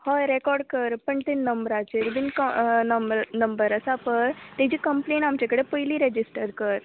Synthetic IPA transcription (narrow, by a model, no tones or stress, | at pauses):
hɔɾekɔːɾɖkəɾpɐɳʈ̪inːɐmbəɾat͡ʃeɾibinnɐmɾnɐmbəɾɐsapɐɾt̪ed͡ʒikəmplẽːɳʈaːmt͡ʃekəɽepəjliɾed͡ʒɪsʈəɾkəɾ